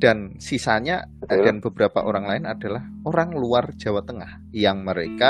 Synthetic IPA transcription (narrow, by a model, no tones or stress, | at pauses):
d̥ansisaɲaaanb̥əb̥əɾapa̰ʔoɾaŋlaɪnad̥a̤lah | oɾaŋluard͡ʒ̥a̤wat̪əŋah | jaŋməɾeka